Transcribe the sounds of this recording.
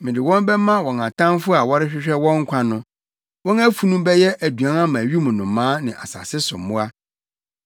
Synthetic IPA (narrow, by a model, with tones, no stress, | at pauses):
mɪ̃˨dɪ˨wɔ̃˦mbɛ˦mã˦wɔ̃˨ŋã˨tʰã˦mfʊ˦a˨wɔ˦ɾɪ˦ɕᶣɪ˦ɕᶣɛ˦wɔ̃˦ŋ̩˦kʷʰã˨nʊ̃˦ | wɔ̃˦næ˦fu˦nũ˦bɛ˦jɛ˦ʔæ˨du˨ã˨˦nã˦mã˨ɥi˦mʊ̃˨nʊ̃˨mːãː˦nɪ̃˨ʔa̰˨sa̰˨sɪ˦sʊ̰˨mːʊ̃˦a˦